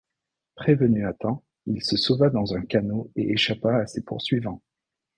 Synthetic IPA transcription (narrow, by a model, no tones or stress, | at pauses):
pχevənyat̪ɑ̃ | ilsəsovad̪ɑ̃zɛ̃kanoeʔeʃapaːsepṵʁsɥivɑ̃